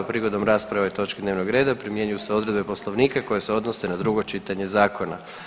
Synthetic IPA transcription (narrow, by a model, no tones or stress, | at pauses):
pɾiɡo̞d̪omɾaːspɾaʋait̪o̞t͡ʃked̪neːʋnoɡɾe̞ːd̪apɾimje̞ɲujuseo̞d̪ɾe̞d̪be̞poslˠoʋniːkako̞je̞seo̞d̪no̞senad̪ɾuɡo̞t͡ʃit̪aɲe̞zaːko̞na̰